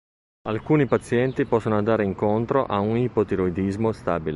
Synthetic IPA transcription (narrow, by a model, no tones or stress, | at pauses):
alkuːnipat̪sːjɛnt̪ipɔsːonoand̪aːɾeiŋkont̪ɾoʔaunipot̪eɾoid̪izmost̪aːbile